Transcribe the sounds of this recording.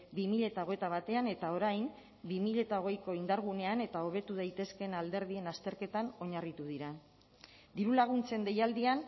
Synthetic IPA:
bimiʎe̞t̪aoɣ̞e̞t̪aβ̞at̪e̞ane̞t̪ao̞ɾajm | bimiʎe̞t̪ao̞ɣ̞e̞jko̞ind̪aɾɣ̞une̞ane̞t̪ao̞β̞e̞t̪uð̞ajt̪e̞ske̞nald̪e̞ɾðie̞nast̪e̞ɾke̞t̪ano̞ɲarit̪uðiɾa | d̪iɾulaɣ̞unt͡se̞nd̪e̞jald̪ian

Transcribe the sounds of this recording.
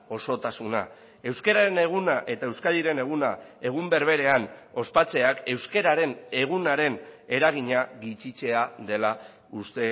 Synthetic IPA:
o̞so̞t̪asuna̰ | e̞wske̞ɾaɾe̞ne̞ɣ̞unaʔe̞t̪aewskaliɾe̞ne̞ɣ̞unae̞ɣ̞umbe̞ɾβ̞e̞ɾe̞ano̞spat͡se̞ake̞wske̞ɾaɾe̞ne̞ɣ̞unaɾe̞ne̞ɾaɣ̞iɲaɣit͡ʃit͡ʃe̞aðe̞la | ust̪e

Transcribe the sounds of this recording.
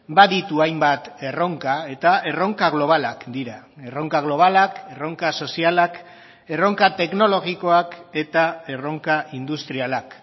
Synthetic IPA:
baðit̪uajmbat̪e̞ro̞ŋkae̞t̪ae̞ro̞ŋkaɣ̞lo̞β̞alakd̪iɾa | e̞ro̞ŋkaɣ̞lo̞β̞alake̞ro̞ŋkaso̞sialak | e̞ro̞ŋkat̪e̞kno̞lo̞ɣiko̞ake̞t̪ae̞ro̞ŋkaʔind̪ust̪ɾialak

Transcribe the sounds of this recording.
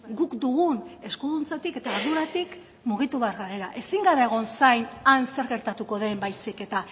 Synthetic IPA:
ɡukd̪uɣune̞skuðunt͡sat̪ike̞t̪aːɾðuɾat̪ik | muɣ̞it̪uβe̞aɾɣaɾeɾaʔe̞siŋɡaɾeeɣ̞o̞nsajnanse̞ɾɣe̞ɾt̪at̪uko̞ðe̞mbajsike̞t̪a

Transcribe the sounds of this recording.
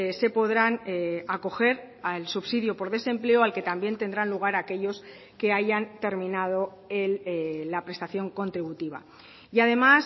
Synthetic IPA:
se̞po̞ðɾanako̞xe̞ɾ | alsuβsiðjopo̞ɾðe̞sẽ̞mple̞oalke̞t̪ambje̞nt̪e̞nd̪ɾanluɣaɾake̞ʎo̞s | ke̞aʝant̪e̞ɾmĩnað̞o̞ | elːapɾe̞st̪aθjo̞ŋko̞nt̪ɾiβ̞ut̪iβ̞a̰ | iaðe̞mas

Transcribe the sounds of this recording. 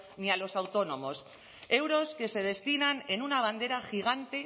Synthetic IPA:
nialo̞sawt̪o̞no̞mo̞s | e̞wɾo̞ske̞se̞ðe̞st̪inane̞nunaβ̞and̪e̞ɾaxiɣ̞ant̪e̞

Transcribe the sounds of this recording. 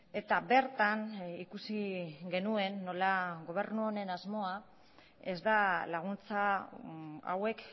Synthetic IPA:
e̞t̪abe̞ɾt̪anikusiɡe̞nue̞nːo̞laɣo̞β̞e̞ɾnuone̞nazmo̞a | e̞zd̪alaɣ̞unt͡sa | a̰we̞k

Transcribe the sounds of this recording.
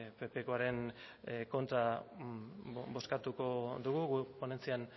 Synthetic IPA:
pe̞pe̞ko̞aɾe̞nko̞nt̪ɾa | bo̞skat̪uko̞d̪uɣuɣupone̞nt͡sian

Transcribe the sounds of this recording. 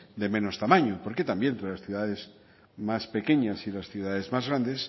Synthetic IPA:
d̪e̞mẽ̞no̞st̪amãɲopo̞ɾke̞t̪ambjent̪ɾelasθjuðaðe̞z | maspe̞ke̞ɲasilasθjuðaðe̞zmazɣɾand̪e̞s

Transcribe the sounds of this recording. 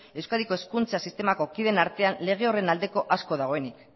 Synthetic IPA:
e̞wskaðiko̞eskunt͡sasist̪e̞mako̞kiðe̞naɾt̪e̞anle̞ɣ̞e̞o̞re̞nald̪e̞ko̞ʔasko̞ðaɣ̞o̞e̞nik

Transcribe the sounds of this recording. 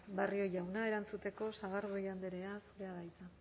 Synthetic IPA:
bario̞jawnae̞ɾant͡sut̪e̞ko̞saɣ̞aɾβojand̪eɾe̞asuɾe̞aðajt̪a

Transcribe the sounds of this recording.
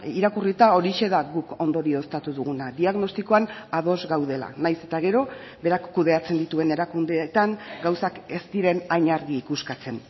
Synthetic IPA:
iɾakurit̪ao̞ɾiʃe̞ðaɣuko̞nd̪o̞ɾio̞st̪at̪uðuɣ̞unaðiaɣno̞st̪iko̞anað̞o̞zɡawð̞e̞la̰najse̞̥t̪aɣ̞e̞ɾo̞ | be̞ɾakːuðe̞at͡se̞nd̪it̪ue̞ne̞ɾakund̪et̪aŋɡawsake̞st̪iɾe̞najɲaɾɣiːkuskat͡se̞n

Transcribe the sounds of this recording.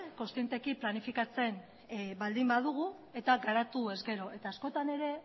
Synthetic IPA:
ko̞nst̪ie̞nt̪e̞kiplanifikat͡se̞n | bald̪imbað̞uɣ̞u | e̞t̪aɡaɾat̪ue̞zɡe̞ɾo̞ʔe̞t̪aːsko̞t̪ane̞ɾe̞

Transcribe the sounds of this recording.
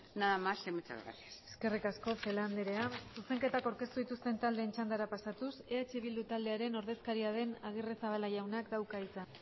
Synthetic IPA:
naðamasemet͡sa̰βɾa̰t̪se̞ske̞rikasko̞fe̞land̪eɾe̞asuse̞ŋke̞t̪akawɾke̞st̪uðit̪ust̪e̞nt̪ald̪e̞ːnt͡ʃand̪aɾapasat̪use̞at͡ʃeβild̪ut̪ald̪e̞aɾe̞no̞ɾðe̞skaɾiað̞e̞naɣ̞iresaβalaʝawnakd̪awkait͡san

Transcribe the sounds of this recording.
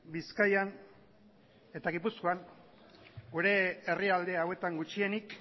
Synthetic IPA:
biskajan | e̞t̪aɣipusko̞aŋ | ɡuɾe̞ːriald̪e̞awe̞t̪aŋɡut͡ʃie̞nik

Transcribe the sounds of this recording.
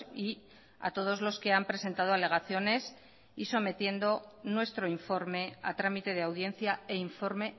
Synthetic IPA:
i | a̰t̪o̞ð̞o̞zlo̞ske̞ampɾe̞se̞nt̪að̞oale̞ɣaθjo̞ne̞s | iso̞me̞t̪je̞nd̪o̞nwe̞st̪ɾo̞iɱfo̞ɾme̞a̰t̪ɾamit̪e̞ð̞eawðje̞n̟θjaeiɱfo̞ɾme̞

